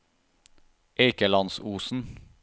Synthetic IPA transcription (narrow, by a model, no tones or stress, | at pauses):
ʔeɪkəlɑnsuːsn̩